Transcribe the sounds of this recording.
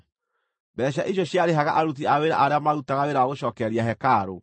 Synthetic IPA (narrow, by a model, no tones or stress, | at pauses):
bɛɕ̬aʔiɕ̬jɔɕiaɾeɦaɣaʔaɾut̬iaweɾa̰ʔaɾeamaɾutaɣaweɾaaɣoʃɔːkɛɾiaɦɛkaːɾo